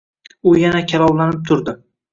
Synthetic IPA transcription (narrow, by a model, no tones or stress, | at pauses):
ʊjanakʲʰalɒblanɪp̚t̪ʰʊɾd̪ɪ